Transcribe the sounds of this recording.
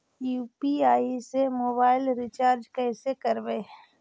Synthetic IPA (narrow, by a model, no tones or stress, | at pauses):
juːpiaːisemoːbaːɪlɾɪt͡ʃaːɾd͡ʒkɛːsekɐɾbe